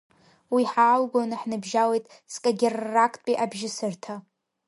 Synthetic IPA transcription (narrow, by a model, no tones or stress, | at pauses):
wiħaːlɡʷonaħnɨbʒawejtʼ | skʼaɡʲɪrːakʰʼpʼiʔabʒɪsɨrtʰa